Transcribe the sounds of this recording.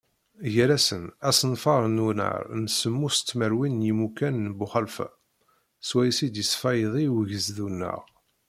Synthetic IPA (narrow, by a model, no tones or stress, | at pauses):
jəɾæsənæsnfɑɾˤnunə̰ɾˤnsəmːust͡s̪ːməɾwinjimukænːbʊχəlf | swæjsid̪jəsfɑjðˤiwʝəzðunːə̰ʁ